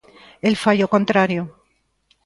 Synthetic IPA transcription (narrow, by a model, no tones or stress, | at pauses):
elfaʎokont̪ɾaɾjo